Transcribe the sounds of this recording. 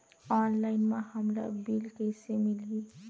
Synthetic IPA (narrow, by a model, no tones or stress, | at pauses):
ɔnlaɪnmahəmla̰bilkəsemili